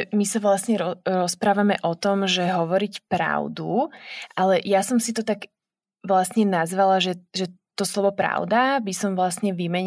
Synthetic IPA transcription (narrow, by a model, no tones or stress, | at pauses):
misaʋlasɲɛɾɔɾɔspɾaːʋamɛʔɔt̪ɔmʒɛɦɔʋɔɾicpɾa̰ʊd̪uʔalɛjasɔmsit̪ɔt̪aɡ | ʋlasɲɛnazʋalaʒɛʒɛt̪ɔslɔʋɔpɾa̰ʊd̪abisɔmʋlasɲɛʋimɛɲ